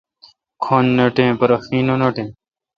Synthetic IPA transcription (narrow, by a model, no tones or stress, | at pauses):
kʰoːnːɐʈẽːpɐɾɐxiːnoːnoʈẽː